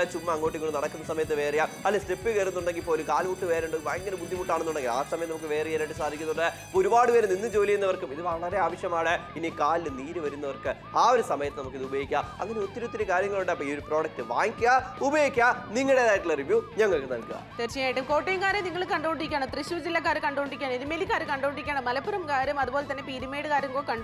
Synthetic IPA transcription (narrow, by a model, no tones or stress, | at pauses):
t͡ɕumːɐːŋːo̞ːʈ̬ːiŋːɡoɳːɖɨnɐɽɐkːunːɐsɐmɐjɐt̪̬ːɨʋe̞ːrijamɐlːɐstepːɨkeːrunːuɳɖe̞ŋɡilpoːlumkaːlmuʈːɨʋeːɾuɳɖɨʋaːŋɡːɐnɐbud̪ʱːimuʈːaːɳenːuɳɖeŋɡila̰ːsɐmɐjɐt̪ːnɐmukːɨʋe̞ːrieːɾaɖɨsaːd̪ʱikʲːunːuɳɖɨ | oɾubaːɽɨʋeːɾemninːɨd͡ʑo̞ːlikʲːunːɐʋɐrkumiðɨʋɐɭɐɾe̞aːʋɐɕjɐmaːɽɨinikaːliɨniːɾɨʋɐɾunːɐʋɐrkɨ | aːoɾusɐmɐjɐt̪ːɨnɐmukːiðɨubɐjikʲːaɐ̰ŋːɐneut̪ːɐɾɐt̪ːilekaːɾjɐŋːɐɭuɳɖɨɐpːoːio̞ɾupro̞ːɽɐk̚ʈɨʋaːŋkʲːuɣaubɐjokʲːaniŋːɐɭɽeðaːjiʈːɨɭɐriʋjuɲɐŋːɐɭkːɨnɐ̰lkuɣɐ̰t͡ɕ̪ert͡ɕɐjaːjiʈːumko̞ːʈːejɐŋkaːɾɐniŋːɐɭkɐɳɖoːɳɖiikʲːaːɳɐmt̪riɕuːd͡ʑilːɐk̬ːaːɾkɐɳɖoːɳɖikʲːaːɳɐiðɨmelikːaːɾɨkɐɳɖoːɳɖiikʲːaːɳɐmːɐlɐpːuɾɐmkaːɾjɐmɐðupo̞ːlet̪ɐnːe̞piːɾimeːɽɨkaːɾjɐmkoːkɐɳɖ